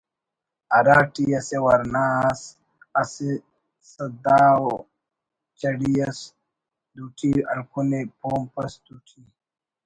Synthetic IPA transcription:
ɐɾaːʈiɐsewɐɾnaːs | ɐse | sɐd̪aːwo | t͡ʃɐɽijɐs | d̪uʈʰiɐ̰lkʰunepʰoːmpɐsd̪uʈʰi

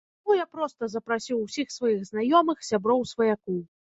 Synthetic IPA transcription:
mɔjapɾɔst̪ɐzɐpɾasʲiwsʲixsvajiɣznajɔmɨxsʲabɾɔwsvɐjakuw

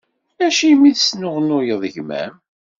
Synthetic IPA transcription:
æʃimiðsnʊʁənʊjəðˤəʝmæ̰m

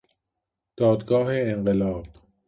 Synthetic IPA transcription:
d̪̥ɒːd̪ɡɒːɦeːɴɢelɒːb̥

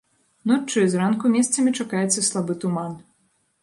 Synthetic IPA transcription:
nɔt͡ʂɨzɾankumʲɛst̪sɐmʲit͡ʂakajɛt̪sːɐslˠabɨt̪uman

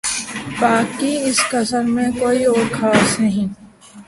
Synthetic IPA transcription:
baːkːiɪskɐsəɾmẽkoːioːɾkʰaːsnɐɦĩː

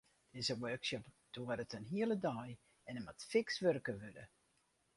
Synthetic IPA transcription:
d̥ɪzəwøːksɔp | d̥oəɾətənɦiələdɔj | ɛnəmatfɪksʋørkəʋødə̰

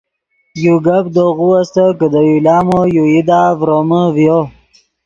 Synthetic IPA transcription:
juɡabd̪oɣuast̪əkəd̪əjilɑːmojuid̪avɾoməvjo

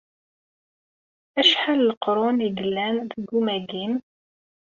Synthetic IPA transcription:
æʃħaləlqɾˤʊniɡəlːænðəɡumæɡim

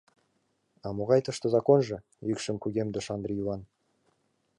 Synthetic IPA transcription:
ɑmoʁɑjt̪ɤʃt̪əzɑkonʒɤ̆ | jykʃəmkʲʉɡʲemd̪əʃɑnd̪rʲijuvɑn

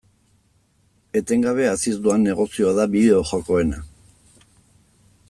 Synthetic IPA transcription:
e̞t̪e̞ŋɡaβ̞e̞asist̪uanːe̞ɣ̞o̞sio̞aðaβiðe̞oʝo̞ko̞e̞na

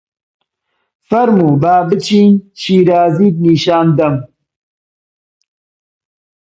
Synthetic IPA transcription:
fɐɾmubaːbət͡ʃint͡ʃiːɾaːzid̚niʃaːnd̪ɐm

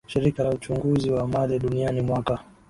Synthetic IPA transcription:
ʃiɾikalaut͡ʃuŋɡuziwamaðɛɗunianimwaka

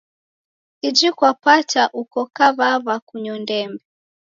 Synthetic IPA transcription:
id͡ʒikwapataʔukɔkaβaβakuɲɔndɛmbɛ

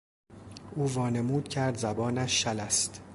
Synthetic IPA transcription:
ʔuːvɒːne̞muːd̪̥̚cʰæɾd̪zæbɒːnæʃːælæst̪

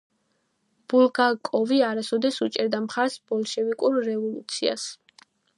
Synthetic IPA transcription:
b̥ulˠɡakʼɔviaɾasɔd̪ɛsut͡ʃʼɛɾd̪amχaɾsb̥ɔlˠʃɛvikʼuɾːɛvɔlut̪sʰia̰s

